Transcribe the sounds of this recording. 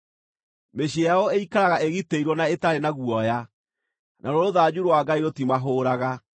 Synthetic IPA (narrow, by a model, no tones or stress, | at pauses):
meɕiaɔeikaɾaɣaeɣiteiɾwɔnaetaɾenaɣuɔja | nʔaɾoɾoðad͡ʑuɾwaɡaiɾotimaɦoːɾaɣa